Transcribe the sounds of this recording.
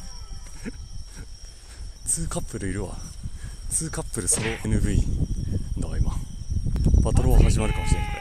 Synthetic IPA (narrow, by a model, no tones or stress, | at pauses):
t͡sɨːkapːɯ̟ɾɯ̟iɾɯ̟βa̰ | t͡sɨːkapːɯ̟ɾɯ̟sɨɾoʔenɯ̟bɯ̟i | d̪aaima | b̥at̪oɾoβahaʑimaɾɯ̟kamoɕiɾe